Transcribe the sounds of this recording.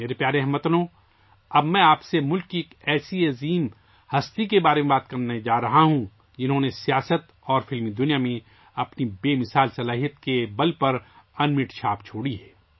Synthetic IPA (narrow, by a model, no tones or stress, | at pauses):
meːɾepjaːɾeɐɦmɐt̪nõː | ɐbmɛ̃aːpsemʊlkːieːkɛːsiɐziːm | hɐst̪ikebaːɾemẽbaːt̪kɐɾned͡ʒaːɾɐɦaɦũ | d͡ʒɪnɦõːnesijaːsət̪ | ɔːɾfɪlmid̪ʊnijamẽ | ɐpnibeːmɪsaːlsɐlaːɦijət̪kebɐlpɐɾɐnmɪʈʃʰaːpt͡ʃʰoːɽiɦɛː